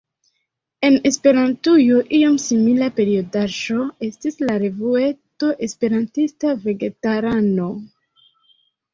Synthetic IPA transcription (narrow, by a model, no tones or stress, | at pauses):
e̞ne̞spe̞ɾantujoʔio̞msimilape̞ɾio̞daʒo̞e̞stislaɾe̞vue̞to̞ʔe̞spe̞ɾantistave̞ɡe̞taɾano̞